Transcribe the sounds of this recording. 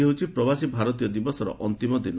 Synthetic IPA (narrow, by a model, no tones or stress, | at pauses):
eɦut͡ʃʰipɾɔbasibʱaɾɔt̪̬ijɔd̪ibɔsɔɾɔ̰ʔɔnt̪imɔd̪in